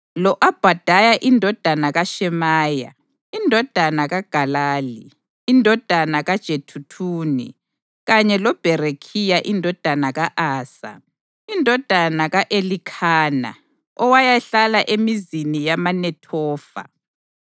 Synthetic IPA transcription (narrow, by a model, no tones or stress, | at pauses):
lɔʔab̥ʱad̥ʱajaʔindʱɔd̥ʱanaɣaʃɛmaːja̰ | indʱɔd̥ʱanaɣaɡ̥ʱalaːliː | ndʱɔd̥ʱanaɣad̥ʒ̥ʱetʰutʰuːnḭ | ɣaɲɛlɔb̥ʱɛɾekʰijaʔindʱɔd̥ʱanaɣaʔaːsa̰ | indʱɔd̥ʱanaɣaʔelikʰaːna̰ | ɔwajaɬalaʔemizinijamanɛtʰɔːfa̰